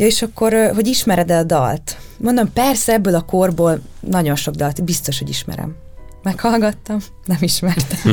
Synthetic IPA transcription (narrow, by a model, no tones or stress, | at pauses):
jɒeːʃɒkːo̞ɾɦo̞ɟiʃmɛɾɛd̪ɛlɒd̪ɒ̰lt̪mo̞nd̪o̞mpɛrsɛɛbːøːlɒko̞rboːlnɒɟo̞nʃo̞ɡ̚d̪ɒlt̪bist̪o̞ʃho̞ɟḭʃmɛ̰ɾɛ̰mːɛkhɒlɡɒt̪ːɒm | nɛmiʃmɛrt̪ɛm